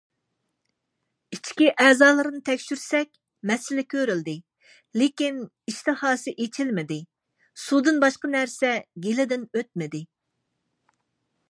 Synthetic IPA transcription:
it͡ʃʰkʲiʔɛːzɑːlˠɨɾɨnɨt̪ʰɛkʲʃyɾsɛkʲ | mɛsɪlɪkʲʰøɾyld̪ɪ | lekʲin | iʃt̪ɨhɑːsɨʔet͡ʃʰilmɪd̪ɪ | sud̪ɨnbɑʃqənæɾsɛɡʲelɪd̪ɪnøt̪̚mɪd̪ɪ

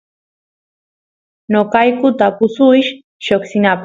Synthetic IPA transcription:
nokajkʊt̪apʊsʊjʃ | ʃoksɪnap

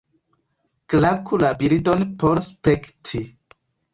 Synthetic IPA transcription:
klakʰulabiɾido̞npoɾspektʰi

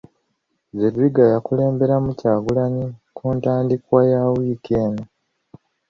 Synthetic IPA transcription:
zediɡajakule̞ːmbe̞ɾamucaːɡulaɲikuːntaːndikwajawiːkeːno

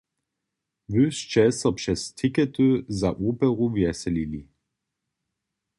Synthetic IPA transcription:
vøst͡ʃɛsɐpʃɛstʰikɛtøzaʔuːpɛʁuvjɛsɛlili

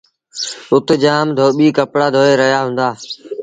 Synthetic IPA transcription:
ʊt̪d͡ʒaːmd̪ʱoːɓiːkəpɽaːd̪ʱoːeːɾəɦijaːɦʊ̃ːnd̪aː

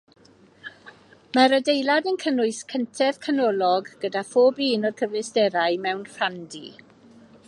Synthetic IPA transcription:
maɾədejlˠadənkʰənʊɨskʰəntʰɛv̥kʰanɔlɔɡɡ̥ədafoːbiːnɔrkʰəvlɪsdɛɾaɨmɛwnrandḭ

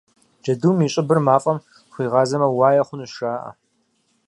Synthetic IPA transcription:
d͡ʒɐduːmiːɕʼɪbɨrmaːfʼɐm | χʷiːʁɑːzɐmɐwaːjɐχʷʊnuʃaːʔɐ̰

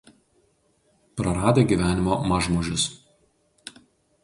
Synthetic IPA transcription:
pɾɐɾɑːd̪ʲeːɡʲiːˑʋʲæːnʲɪmoːmɐʒmoʒʲʊs

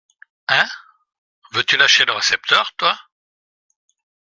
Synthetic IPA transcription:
ɛ̃ | vøt̪ylaʃeləʁesɛp̚t̪œːʁt̪wa

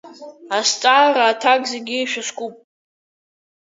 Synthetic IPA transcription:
ast͡sʼaːɾaːtʰakʼzeɡʲiːʃᶣaskʷʼupʼ

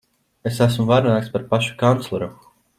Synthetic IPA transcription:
esæsmvaɾnaːkspaɾpaʃu̥kant̪slˠɔɾu

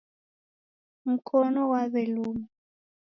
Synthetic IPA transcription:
m̩kʰɔnɔwaβɛluːmu

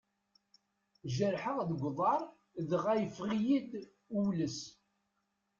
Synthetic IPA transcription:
ʒəɾħəʁðəɡʷðˤɑɾˤ | ðəʁæjəfʁijid̪ | uwləs

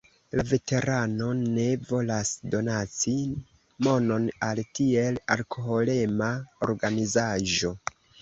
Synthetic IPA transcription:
lave̞te̞ɾanone̞vo̞lasdo̞nat͡si | mo̞no̞naltie̞la̰lkʰoɦo̞le̞mao̰ɾɡanizaʒo̞

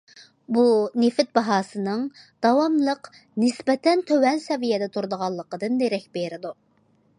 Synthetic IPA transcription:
bunefɪt̪̚bɑɦɑːsɨnɨŋ | d̪̥ɑwɑmlˠəq | nɪsbɛt̪ʰɛnt̪ʰøwɛnsɛvijɛd̪ɛt̪ʰuɾd̪əʁɑlˠːəqəd̪ɨnːeɾɛk̚ʲbeɾɪd̪u

